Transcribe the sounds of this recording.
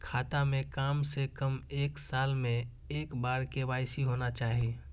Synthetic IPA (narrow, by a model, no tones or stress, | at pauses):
kʰaːt̪amẽkaːmsekəmeːksaːlmẽ | eːkbaːɾkebaːɪsiɦonat͡ʃaːɦi